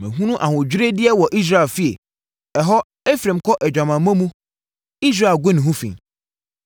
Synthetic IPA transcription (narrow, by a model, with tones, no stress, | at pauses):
mɪ̰̃˨ɦũ˦nũ˦ʔa˨hʊ̃˨d͡ʑᶣɾe˦dɪ˦ɛ˦wɔ˨ʔi˦s̬ɾa˦˨e˨lfi˦ḛ˨ | ɛ˨ɦɔ˦ | e˦fɾẽ˨mkʰɔ˦ʔɛ˨d͡ʑᶣã˨mã˨mã˦mũ˦ | i˦s̬ɾa˦˨e˨ɡʊ˦nĩ˨ɦũ˦fḭ̃˨